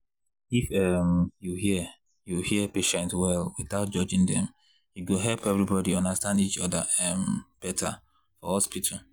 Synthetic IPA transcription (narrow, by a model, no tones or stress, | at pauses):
ifɛmjuhiə | juhiəpeʃɛ̃ntwɛlwiθaʊt̚d͡ʒɔd͡ʒĩŋdɛ̃m | jiɡoɦɛlpɛvɹibɔdiɔ̃ndastãndit͡ʃɔdaɛmb̥ɛtʰa | fɔɔspit̩ʰ